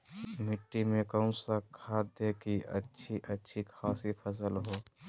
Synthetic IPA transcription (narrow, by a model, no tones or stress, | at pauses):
mɪʈːimẽkəʊ̃səkʰːaːd̪ekiʔə̰tːʃʰiʔətːʃʰikʰaːsipʰəs̬əlɦoː